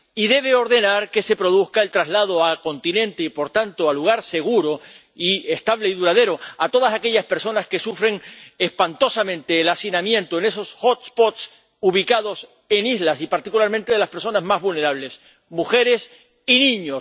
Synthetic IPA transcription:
iðe̞β̞e̞o̞ɾðe̞naɾke̞se̞pɾo̞ðuθkae̞lt̪ɾazlað̞oako̞nt̪inẽ̞nt̪eipo̞ɾt̪ant̪oaluɣ̞aɾse̞ɣ̞uɾo | ie̞st̪aβ̞leiðuɾaðe̞ɾo̞at̪o̞ð̞asake̞ʎaspe̞ɾso̞naske̞sufɾe̞ŋespant̪o̞samẽ̞nt̪e̞ːlasinamjẽ̞nt̪oene̞so̞sxot̪spot̪s | uβ̞ikaðo̞s | e̞nizlasipaɾt̪ikulaɾmẽnt̪eðe̞laspeɾso̞nazmazβulne̞ɾaβle̞s | muxe̞ɾe̞s | inĩɲos

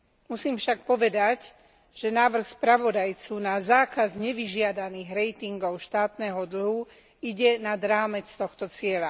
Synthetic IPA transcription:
musiːmfʃak̚pɔʋɛd̪aɟ | ʒ̥ɛnaːʋr̩xspɾaʋɔd̪ajt͡sunazaːkazɲɛʋiʒɪad̪aniːɣɾɛjt̪iŋɡɔʊʃt̪aːt̪nɛɦɔd̪l̩ɦu | iɟɛnad̪ɾaːmɛt͡st̪ɔxt̪ɔt͡sɪɛla

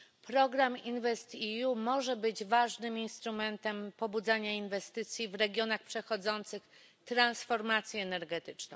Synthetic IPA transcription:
pɾɔɡɾaminvɛst̪ijumɔʐɛbɘd͡ʑvaʐnɘminst̪ɾumɛnt̪ɛmpɔbud̪zaɲainvɛst̪ɘt̪sʲjivɾɛɡʲjɔnaxpʂɛxɔd̪zɔnt̪sɘx | t̪ɾansfɔɾmat̪sʲjɛɛnɛɾɡɛt̪ɘt͡ʂnɔ̃w̃

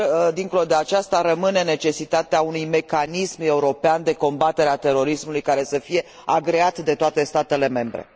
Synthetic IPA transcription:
d̪iŋkolod̪e̞at͡ʃast̪aɾəmɨne̞ne̞t͡ʃe̞sit̪at̪eaunujme̞kanisme̞uɾo̞peand̪e̞ko̞mbat̪eɾeat̪e̞ɾo̞ɾismulujkaɾe̞səfije̞ | aɡɾeat̪d̪e̞t̪oat̪e̞st̪at̪e̞le̞me̞mbɾḛ

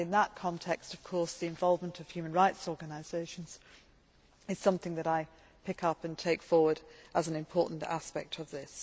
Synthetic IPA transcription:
ɪ̃nðəʔ̚kʰɒ̃ntʰɛkstʌv̥kʰɔɹsðiɨ̃ɱvɑlˠvmə̃ntʰʌv̥hjʉmə̃nɹaɪtsɔːɹɡənaɪz̥eɪʃə̃n̩z̥ | ɨz̥sʌ̃mθɪ̃ŋðɨɾaɪ | pʰɪkʌpɨ̃ntʰeɪkfɔːwəɾʔəzn̩ɨ̃mpʰɔˑɹʔn̩tʰa̰spɛ̰k̚tʰəvðɪs

